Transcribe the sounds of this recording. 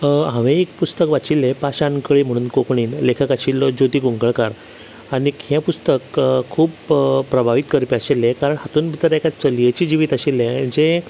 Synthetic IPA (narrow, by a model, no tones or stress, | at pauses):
ɦãʋẽekpust̪əkʋat͡ɕilːɛ̃paɕãnkəɭim̤əɽ̃uːnkokɳiːnlekʰəkaɕilːɔd͡ʑot̪iːɡoŋɡəɭkaɾ | aɽ̃ikjãpust̪əkʰːuːpːɾəbʱaʋit̪kəɾpiaɕilɛ̃kaɾəɳhat̪uːnbʱit̪əɾɛkat͡səljet͡ɕiːd͡ʑiʋiːt̪aɕilːɛ̃d͡ze